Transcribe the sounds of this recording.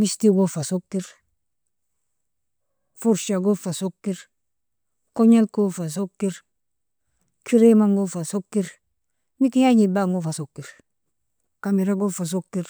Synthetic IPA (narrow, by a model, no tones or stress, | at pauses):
mistiɡofasokːiɾ | fuɾʃaɡofasokːiɾ | koɲalkofas̬okːiɾ | kʰiɾemaŋɡofasokːiɾ | mikijaɲibaŋɡofasokːiɾ | kamiɾaɡofas̬okːiɾ